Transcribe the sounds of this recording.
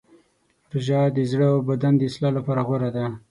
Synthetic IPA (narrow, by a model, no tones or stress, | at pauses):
ɾʒɑd̪əzɽəawbad̪and̪əɪslɑlapɑɾaɣwaɾad̪a